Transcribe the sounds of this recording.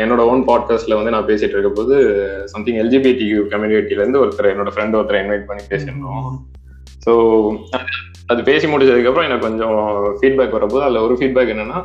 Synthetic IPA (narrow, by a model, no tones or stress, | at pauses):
ɛnːoːɽɐoːnpaːɖ̚kaːsʈlɐʋɐnd̪ɯnãːpeːsɪʈːɪɾɯkːɐpoːðɯsɐmt̪ɪ̃ŋɡɛld͡ʒiːbiʈijɯkɐmjiɖɪʈːilɐɾɯnd̪ɯɔɾɯt̪ːɐɾɐɛnːoːɽɐfɾɛɳɖɔɾɯt̪ːɪɾɐ̃ɪnʋɐɪʈ̚pɐɳːipeːsɪɳõ | soːɐðɯ | ɐðɯpeːsimʊɽɪt͡ʃːɐðɯkːɐpːɯɾɔ̃ɛnːɐkɔɲd͡ʒɔ̃fiːʈ̚baːkːʋɐɾːɐpoːðɯɐlːɐɔɾɯfiːɖ̚baːkːɛnːɐnːaː